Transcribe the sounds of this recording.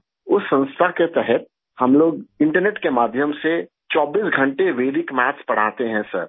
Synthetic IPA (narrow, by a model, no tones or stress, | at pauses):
ʊsːə̃nst̪ʰaket̪ɛɦɛt̪̚ | hɐmloːɡɪ̃ɳʈəɾneːʈkemaːd̪ʱjəmse | t͡ʃɔːbiːsɡʱə̃ɳʈeʋeːd̪ɪkmaːt͡ʃpɐɽ̤aːt̪eɦɛ̃sɐ̰ɾ